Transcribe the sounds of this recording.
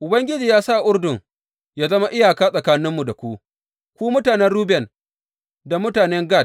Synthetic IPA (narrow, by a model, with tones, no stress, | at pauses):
ʔʊ˨bɐ˦ŋɡʲɪ˦d͡ʒiː˨jaː˦sa˦ʔʊ˦rdʊ˨ŋ | jaː˦zɐ˦ma˦ʔɪ˦jaː˨kaː˦sʼɐ˨kaː˦nɪ˦mːu˨da˨kʷu˦ | kʷuː˦mʊ˦taː˨nɛ˦nɽuː˦bɛ˨n | da˨mʊ˦taː˨nɛ˦ŋɡa˦˨t̚